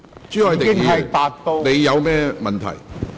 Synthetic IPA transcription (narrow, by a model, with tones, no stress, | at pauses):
t͡ʃyː˥ɐ˨˧jt̪e˨ɪ˧ŋiː˨ɐ˨jt̪aː˨t̚t̪o˧wne˨˧jːɐ˨˧wmɛː˥mɐ˨˩nt̪ʰɐ̰˨˩j